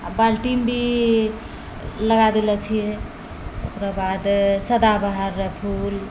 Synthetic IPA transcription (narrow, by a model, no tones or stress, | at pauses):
abalʈimbʱi | ləɡad̪elət͡ʃʰijɛ | o̰kɾabad̪səd̪abaɦaɾːepʰul